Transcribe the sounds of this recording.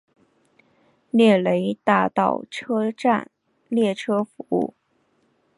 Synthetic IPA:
ljɛ˥˩le˧˥ɪt̪a˥˧t̪ɑ̰˥˩ʊʈ͡ʂʰɤ˥ʈ͡ʂa̰˥˩n | ljɛ˥˩ʈ͡ʂʰɤ˥fu˧˥ṵ˥˩

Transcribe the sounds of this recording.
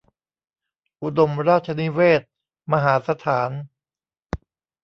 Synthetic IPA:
ʔu˧do˧mɾaː˥˩t̪̚t͡ɕʰa˧ni˦˥weː˥˩t̪̚ | ma˧ɦaː˩˦sa˧t̪ʰaː˩˦n

